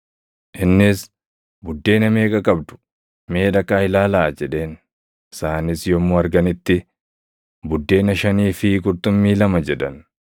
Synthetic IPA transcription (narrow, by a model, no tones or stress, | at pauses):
ʔɪnːɪs | bʊd̪ːe̞ːnɐme̞ːkʼɐkʼɐbd̪ʊ̥ | me̞ːᶑ̪ɐkʼaːhɪlaːlaːd͡ʒɛᶑe̞ːn | ɪsaːnɪsjɔmːoːɐɾɡɐnɪt̪ːɪ | bʊd̪ːe̞ːnɐʃɐniːfɪkʼʊɾt̪ʊmːiːlɐmɐd͡ʒɛᶑɐn